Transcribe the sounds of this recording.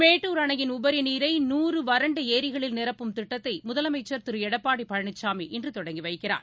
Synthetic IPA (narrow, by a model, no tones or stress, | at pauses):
meːʈːuːɾɐɳɐjɪnʊbɐɾiniːɾɐɪnuːrɯʋɐɾɐɳɖɯeːɾɪɣɐɭɪlnɪɾɐpːɯmt̪ɪʈːɐt̪ːɐɪmʊðɐlɐmɐɪt͡ʃːɐɾt̪ɪɾɯɛɽɐpːaːɽipɐɻɐɳɪt͡ʃːaːmiʔɛndrɯt̪ɔɽɐŋɡiʋɐɪkːɪra̰ːɾ